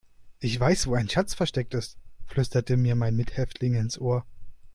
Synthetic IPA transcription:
ʔɪçv̥aɪsv̥oːaɪnʃat͡sfɛɐʃtɛk̚tɪstflʏstɐtəmiːɐmaɪnmɪthɛftʰlɪŋɪnsʔoːɐ

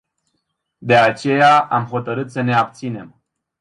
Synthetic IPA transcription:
d̪e̞at͡ʃe̞jaamɦo̞t̪əɾɨt̪səne̞ab̚t̪sine̞m

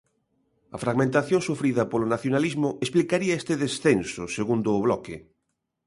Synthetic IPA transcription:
ɐ̰fɾaɣmẽnt̪aθjõŋsufɾiðɐpolʊnaθjonalizmʊʔesplikaɾiɐest̪eðesθensʊseɣund̪ʊːβlɔkɪ

